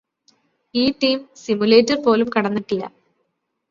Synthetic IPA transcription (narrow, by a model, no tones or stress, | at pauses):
iːʈːiːmsimule̞ːtːɐrpo̞ːlumkɐɽɐnːiʈːilːɐ̰